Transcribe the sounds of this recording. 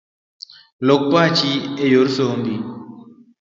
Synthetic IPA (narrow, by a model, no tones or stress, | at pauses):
lok̚pat͡ʃiejoɾsombi